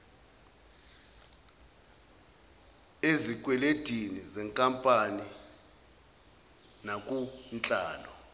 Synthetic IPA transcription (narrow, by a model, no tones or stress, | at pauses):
ezik̬ʼwɛled̥ʱinizɛŋkʼampʼani | nak̬ʼunt͡ɬʼaːlɔ